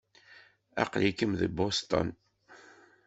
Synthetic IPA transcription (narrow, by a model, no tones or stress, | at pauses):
ɑ̰qlikəmðəbost̪ə̰n